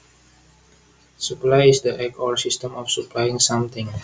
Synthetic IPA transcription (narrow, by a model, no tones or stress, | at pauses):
suplajisd̪əʔɛkɔlsistə̃mɔfsuplajĩŋsãmt̪ɪ̃ŋ